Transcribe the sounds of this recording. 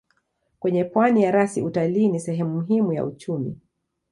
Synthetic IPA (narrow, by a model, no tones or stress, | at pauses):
kwɛɲɛpwanijaɾasiutaliːnisɛɦɛmumuɦimuja̰ut͡ʃumi